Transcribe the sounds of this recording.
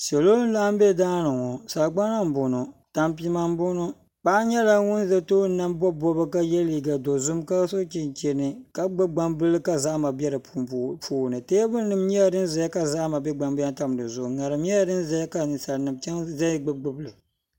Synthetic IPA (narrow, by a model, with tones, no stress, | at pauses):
sɛ˨loː˦n̩˦la˦m˦bɛ˦˨daː˦nɨ˨ŋɔ˨sa˨ɡ͡ba˦na˦m̩˨bʊ˨no˨ta˨mpi˦ma˦m˦bʊ˦no˦ | k͡pa˦ɲɛ˦la˦ŋʊ˦n˦zɛ˦toː˦n̩˦na˦m˦bɔ˦bɔ˦bɨ˦ka˦jɛ˦liː˨ɡa˨do˨zʊ˦mka˦so˦t͡ʃi˨nt͡ʃɛ˨nɨ˨ka˦ɡ͡bɨ˦ɡ͡ba˦mbɨ˦lɨ˦ka˦za˦ʔma˨bɛ˦ɾɨ˨puː˦˨nɨ˨teː˦bɨ˦nɨ˨m˦ɲɛ˦ja˦˨dɨ˦n˦zɛ˨ja˦ka˦za˦ʔma˨bɛ˦ɡ͡ba˨mba˦nta˦m˨dɨ˨zʊ˨ʔʊ˨ŋa˨ɾɨ˨mɲɛ˦ja˦dɨ˦n˦zɛ˦ja˦ka˨sa˨nɨ˨mt͡ʃɛ˦ŋzɛ˦ɡ͡bɨ˦ɡ͡bɨ˦blɨ˨